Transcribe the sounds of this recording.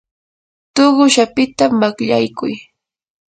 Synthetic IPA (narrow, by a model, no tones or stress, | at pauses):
t̪oɢʊʃapɪt̪amakʎa̰jkʊj